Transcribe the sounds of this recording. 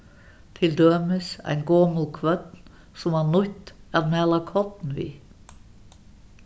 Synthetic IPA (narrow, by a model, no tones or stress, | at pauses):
t̪ʰɪld̪øːməsæ̰ɪnɡoːmʊlkʰʋœt̪n | sʊmæːnʊt̪æɾmɛːlɑkʰɔt̪n̩ʋḭː